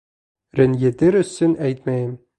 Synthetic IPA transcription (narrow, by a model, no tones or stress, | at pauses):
ɾɘ̆njɘ̆t̪ɘɾɵ̆sːɘnʔæjt̪mæjɘm